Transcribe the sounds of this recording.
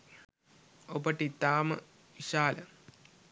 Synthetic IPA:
obəʈit̪ːaːmɐ̰ | ʋiʃaːlɐ

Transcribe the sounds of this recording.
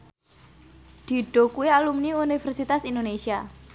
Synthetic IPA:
d̪̥i̤ɖ̥okuialumniunifɛrsit̪asind̪onesia

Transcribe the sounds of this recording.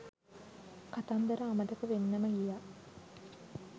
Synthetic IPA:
kat̪and̪əɾəːmət̪əkəʋenːəməɡija

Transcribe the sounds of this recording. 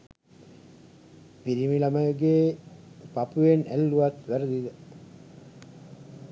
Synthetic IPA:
piɾimilaməjəɡeːpapuʋenælːuʋat̪ʋæɾəd̪id̪ə

